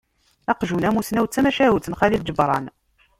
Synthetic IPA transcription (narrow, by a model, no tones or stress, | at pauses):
ɑqʒunæmusnæwt͡sːæmæʃæwuθnχælild͡ʒəbɾˤɑ̰n